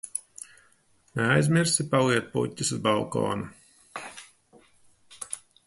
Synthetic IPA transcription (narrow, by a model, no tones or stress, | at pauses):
neajzmʲiɾsipaliɛt̪̚pṵtʲːisuzbalˠkɔ̰ːnu